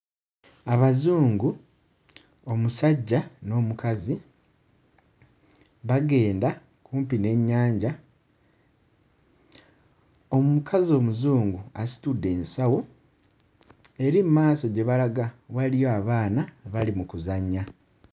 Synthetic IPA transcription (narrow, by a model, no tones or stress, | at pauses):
aβazuːŋɡu | o̞musaɟːano̞ːmukazi | βaɡe̞ːnda | kuːmpine̞ɲːaːɲɟa | o̞mmukʰazio̞ːmuzuːŋɡuasi̥tudːe̞ːnsawo̞ | e̞ɾimumaːso̞ɟe̞βalaɡawalijo̞aβaːnaβalimukuzaɲːa